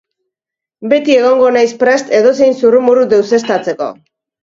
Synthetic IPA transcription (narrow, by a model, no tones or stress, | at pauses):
be̞t̪ie̞ɣ̞o̞ŋɡo̞najspɾe̞st̪e̞ðo̞se̞jnsurumuɾud̪e̞wse̞st̪at͡se̞ko̞̰